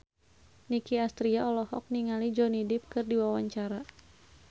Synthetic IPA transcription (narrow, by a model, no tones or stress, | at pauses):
nikiast̪ɾiaʔɔlɔhɔk̚niŋalid͡ʒɔnidɪp̚kɨrdiwawaɲt͡ʃaɾa